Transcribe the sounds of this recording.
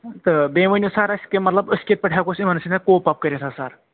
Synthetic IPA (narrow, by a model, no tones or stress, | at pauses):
t̪ɨbeːʋənʲosaɾɐskemɐt̪lɐbəskʲet̪̚pɐʈʰjakosimɐnsinekoːpap̚kəɾʲesʰasaɾ